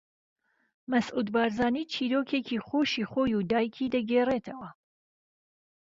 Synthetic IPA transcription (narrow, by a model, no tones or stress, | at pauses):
mɐsʔuːd̪bɑːɾzɑːniːt͡ʃʰiːɾoːkʰeːkʰiːχoːʃiχoːjuːd̪aːjkʰiːd̪ɐɡeːreːt̪ʰɐwɐ